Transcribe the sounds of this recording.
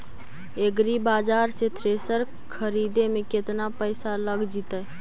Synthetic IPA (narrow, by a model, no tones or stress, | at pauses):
eɡɾibaːd͡ʒaːɾset̪ʰɾesəɾ | kʰəɾid̪emẽket̪napəɪsaləɡd͡ʒit̪ə